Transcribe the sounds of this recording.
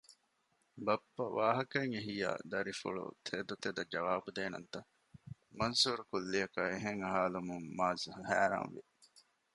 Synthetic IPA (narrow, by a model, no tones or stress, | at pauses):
bɐpːɐʋaːɦɐkɐeŋeɦija̰ːd̪ɐɾifṵɭṵt̪ʰeːd̪ut̪ed̪ɐd͡ʒɐʋaːbud̪eːnɐnt̪ɐ | mɐnsuːɾukulːiɐkɐeɦeŋɐɦaːlumuŋmaːzɐɦɐhæːɾa̰ːnʋḭ